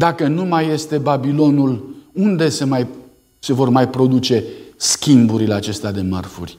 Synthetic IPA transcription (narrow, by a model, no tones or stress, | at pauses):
d̪akənumaje̞st̪e̞babilo̞nulund̪e̞semaj | se̞vo̞rmajpɾo̞d̪ut͡ʃe̞skʲimbuɾile̞at͡ʃe̞st̪ead̪e̞mə̰rfurʲ